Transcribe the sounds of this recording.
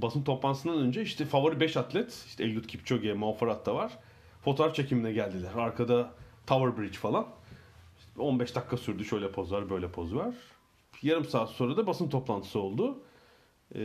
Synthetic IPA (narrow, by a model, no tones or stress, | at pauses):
basɯmt̪ʰo̞plˠanɯsɯnd̪anø̞nd͡ʒɛiʃt̪ʰɛfavaɾɯbɛʃat̪lʲɛt̪iʃt̪ɛɛlʲɡʲut̪cʰip̚t͡ʃʰoɡɛmoafaɾat̪̚d̪avaɾ̥ | fot̪oɾaft͡ʃʰe̞cʰiminɛɟælʲd̪ilʲæɾaɾkʰad̪at̪ʰavaɾbɾit͡ʃfalˠan | ʃo̞nbɛʃd̪akːasyɾd̪yʃø̞jlʲɛpʰo̞zvaɾbø̞jlʲɛpʰo̞zvaɾ̥ | jaɾɯmsḁːso̞ːɾad̪abasɯmt̪ʰo̞plˠant̪ʰɯ̥sɯo̞lˠd̪u